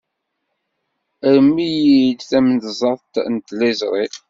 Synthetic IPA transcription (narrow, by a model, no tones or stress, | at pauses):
əɾəmːijid̪θæmənt̪zˤɑðˤt̪nt̪lizɾˤi